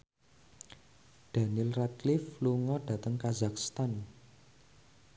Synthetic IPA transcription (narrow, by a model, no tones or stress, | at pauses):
d̪̥ä̤nɪlrat̪lɪfluŋɔɖ̥ä̤t̪əŋkazakst̪an